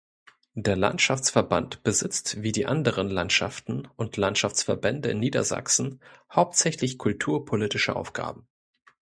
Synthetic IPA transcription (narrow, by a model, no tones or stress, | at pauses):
d̥eːɐla̰ntʃaft͡sfɛɐbantb̥əzɪt͡stv̥iːdiːʔandəʁ̞ənlantʃa̰ftn̩ʔʊntlantʃaft͡sfɛɐbɛndəɪnːiːdɐ̰za̰ksn̩haʊp̚tz̥ɛçlɪçkʰʊltʰuːɐpʰolitɪʃəʔa̰ʊfɡ̥a̰ːbm̩